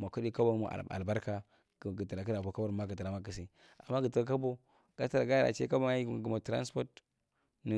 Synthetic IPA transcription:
ma˨ku˦ɗi˦ka˦ba˦mṵ˨a̰˨a̰˨lba˦ɾka˨ | ɡə˨ti˨ɾa˨ki˦ɾa˨ko˨ka˦ba˦ɾma˦ɡə˨ti˨ɾa˨ma˦ki˨si˦ | a̰˨mːa˦ɡə˨ta˨ɾa˨ka˦bo˦ | ɡ̥a˦ta˦ɾa˨ɡa˦a̰˨t͡ʃḛ˦ka˦ba˦˨ɡu˨ma˨tɾa̰˦nspo˦t | ni˨

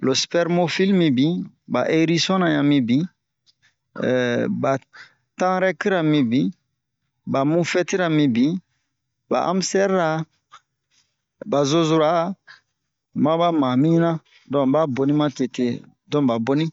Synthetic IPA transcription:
lo˨spɛ˨ɾmo˦fi˦lmi˨bi˨˦ | ba̰˨ʔe˦ɾi˦sɔ̃˦nã˨jã˨mi˦bi˦˨ | ba˨ | tã˦ɾɛ˦ki˦ɾa˨mĩ˨bi˦ | ba˨mũ˦fɛ˦ti˦ɾa˨mi˦bi˦ | ba̰˨ʔa̰˦msɛ˦ɾɾa˨˦ | ba˨zo˦zu˨ɾa˨˦ | mã˦ba˦mã˨mĩ˦nã˦ | dɔ̃˦˨ba˦bo˨ni˦mã˦te˨te˨ | dɔ̃˦ba˨bo˦nĩ˦

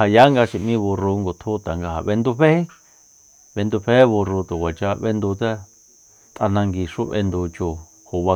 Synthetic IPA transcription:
ha˨ja˨˦ŋɡa˧ʃi˧mĩ˧βu˧ru˧ŋɡo˨t̪ʰu˦t̪a˨ŋɡa˧ha̰˨βe˧nd̪u˧ɸe˦e˦ | βe˧nd̪u˧ɸe˦βu˧ru˧t̪u˨kʷa˨t͡ʃa˧βe˧nd̪u˧t͡sa˦ | t̪ʼa˧nã˧ŋɡi˧ʂu˦βḛ˧nd̪u˧t͡ʃo˧ | ho˨βa˧

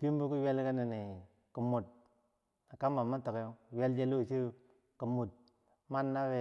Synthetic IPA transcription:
pi˦m˦bu˦ku˦we˦lka˦ni˨ni˨ | ku˨mu˨t̚ | na˨ka˦mba˨mːa˦to˨ke˦jo˦˨we˦ld͡ʒe˦lo˦˨si˦ | ku˨mːu˨t̚ | ma˦nːa˦we˦

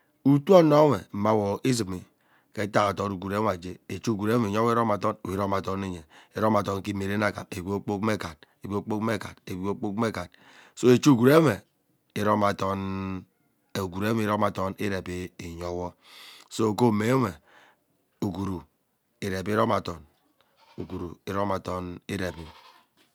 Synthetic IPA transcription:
u˦tu˦o˦no˦we˨ma˦wo˨ʔi˦zi˨mi˨ | ke˨˦ta˦ŋa˨to˨nu˨ɡu˨ɾe˦m˨a˨d͡ʒe˦e˨t͡ʃu˦˨ɡu˨ɾe˦e˨ɲo˦wo˦ɾo˦ma˨tɔ˦n˨i˨ɾo˦ma˨to˦ne˦ɲe˨e˨ɾo˦ma˨to˨nki˦me˨ɾe˦na˦ka̰˨e˨bi˦o˦k͡po˦kme˦ka˨d̚e˨bo˦k͡po˦kme˦ka˨de˨bi˨˦o˦k͡po˦kme˦ka˨d̚ | so˦e˨t͡ʃu˦ɡu˨ɾe˦me˨ | i˨ɾo˦ma˨tɔ˦n˨ | u˨ɡu˨ɾe˦m˦˨˦ɾo˦ma˨tɔ˦ni˦ɾe˨bi˦i˨ɲɔ˦wɔ˦ | so˦˨ko˦me˨˦me˨ | u˨ɡu˨ɾu˨ | i˨ɾe˨bi˦ɾo˦ma˨tɔ˨n | u˨ɡu˨ɾu˨i˨ɾo˦ma˨tɔ˦ni˦ɾe˨bi˦

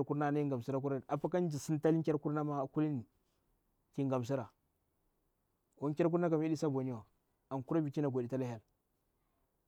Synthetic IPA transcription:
ɾku˦ɾna˦na˦i˦ŋɡa˨m˨si˦ɾa˦k̬u˦ɾa˦n˨a˨pa˦ka˦n˦d͡ʒi˨si˦n˦ta˦li˦ŋ˦kʲa˦ɾku˦ɾna˦ma˦˨ku˦li˦ni˨ | ki˨ŋɡa˨m˨s̬i˦ɾa˨ | wo˨˦ŋ˦kʲa˦ɾk̬u˦ɾna˦ka˨m˦i˦di˦sa˦bo˨ni˦wa˨ | a˨ŋku˦ɾa˦bi˨ki˦na˨ɡʷa˨di˨ta˦la˦ja˦l

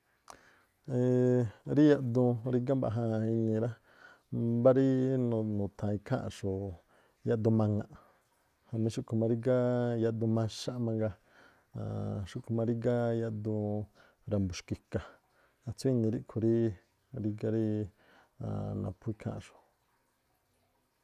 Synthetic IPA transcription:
e˧ɾi˦ja˧ʔd̪ũ˧ɾi˦ɡa˦mba̰˧˨ɦã˧i˧nĩ˧ɾa˦ | ba˦ɾi˦n˧˨nũ˨t̪ʰã˨˧i˧kʰã̰˦ʔʂo˨ | ja˧ʔd̪u˧mã˧ŋã˧ʔ | hã˧mĩ˧ʃu˦kʰu˨mã˧ɾi˦ɡa˦ja˧ʔd̪ũ˧mã˧ʃa˦ʔmã˧ŋɡa˧ | ã̰˨ʃu˦kʰu˧mã˧ɾi˦ɡa˦ja˧ʔd̪ũ˧ | ɾa˧˨mbu˨ʃki˧ka˨ | a˧t͡su˦i˧nĩ˧ɾi˦kʰu˧ɾi˦ | ɾi˧ɡa˧ɾi˦ | a̰˨nã̰˨pʰu˧i˧kʰã̰˦ʔʂo̥˨

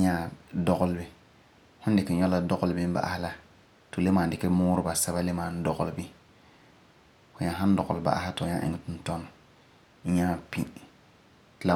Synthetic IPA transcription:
ɲa˦˨dɔ˦ɣʊ˦lbɪ˦ | hʊ̃˦n˦dɪ˨kɪ˨ɲɔ˦la˦dɔ˦ɣʊ˨lɪ˨bɪ˦ba̰˨ʔa̰˨hɪ˦la˨ | to˨le˦maː˨dɪ˨kɪ˦mʊː˦ɾʊ˦ba˨sɛ˦ba˦le˦maː˨n˦dɔ˨ɣʊ˨lɪ˦bi˦ | hʊ̃˨ɲa˨ɦã˦n˦dɔ˨ɣʊ˨lba̰˨ʔa̰˦hɪ˦tɲa̰˦ʔɪ̰˨ŋɪ˦tʊ˦n˦tɔ˦n̩˨˦ | ɲa˦˨pḭ̃˦ | tla˨

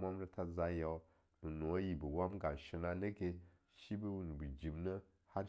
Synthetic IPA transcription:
ma˦m˦ɾə˦ta˦za˦ja˨w | nu˨no˨˦ji˨bə˨wa˦mɡa˨ʃi˨na˦nə˦ɡe˦ | ʃi˦bə˦wu˨n˨bɨ˨d͡ʒi˨mnə˦ | ha˦

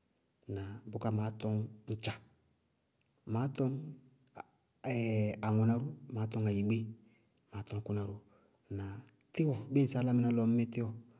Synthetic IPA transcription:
na˨bʊ˦ka˦maː˨˦tɔ˧ŋn̩˦t͡ʃa˨ | maː˨˦tɔ˦ŋ | ɛ˨a˨ŋɔ˨na˨˦ɾu˦maː˨˦tɔ˦ŋa˨ji˨ɡ͡be˦ | maː˨˦tɔ˦ŋ˦ku˦na˨ɾu˦ | na˨ | tɪ˦wɔ˨ɡ͡be˦n̩˦sa˦la˦mi˦na˦lɔ˨m˦me˦tɪ˦wɔ˨

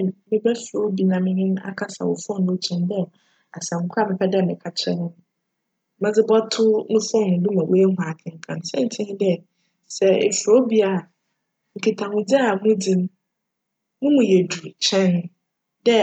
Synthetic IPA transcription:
mɪ̃˨bɛ˦fɾo˦bi˨nã˨mɪ̃˦nɪ̃˦n˦a̰˦kʰa˦sa̰˨wʊ̰˨fɔ̃˦nʊ̃˨˦t͡ɕʰɛ̃˨ndɛ˦ | a˨sã˨ŋ̩˨kʷʰa˦mɪ̃˨kʰa˦da˦˨mɪ̃˨kʰa˨t͡ɕʰɛ˦nʊ̃˦˨ | mã˦d͡zɪ˦bɔ˦tʰʊ˦nʊ̃˦fɔ̃˦˨nʊ̃˨dʊ̃˦mã˨we˦˨ɦʊ˨a˨kʰɪ̃˨ŋ̩˨kʰã˨nsɛ̰̃˦n̩˦tʰɪ̃˦ñ˦dɛ˦ | sɛ˨ḛ˨fo˦bi˦a˨ | ŋ̩˨kʰɪ˨tʰã˨hʊ̃˨d͡zi˦a˨mʊ̃˦d͡zĩ˨m˦ | mʊ̃˦mũ˨jɛ˨du˨t͡ɕʰɛ̃˦n˦ | dɛ˦

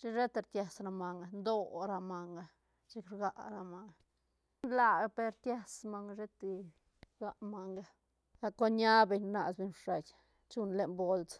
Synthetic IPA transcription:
t͡ʃi˦ʐe˦t̪e˧ɾt̪ja˧sɾa˧ma˨ŋɡa˧nd̪o˧ɾa˧ma˧ŋɡa˧ | t͡ʃi˦kɾɡa˧ʔɾa˧ma˧ŋa | nla˧˨ɡa˧pe˧ɾt̪ja˧sma˧ŋ˧ʐe˦t̪i˧ | ɡa˧ma˨˧ŋɡa˧ | ɡa˧ko˦ɲa˦be˧ɲna˨sbe˧ɲʂa˨j | t͡ʃu˧nle˧nbo˧lt͡s

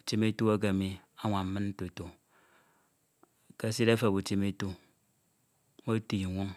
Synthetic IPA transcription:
u˨t͡ʃi˦me˦tu˦a˦ɡ̬a˨mi˨a˦ŋʷa˨m̩˦mɨ˦nn̩˦to˨e˨to˨ | ka˦se˦ɾa˦fe˨bu˨t͡ʃi˦me˦tu˦ | mo˦ti˨i˨ŋʷo˦ŋ

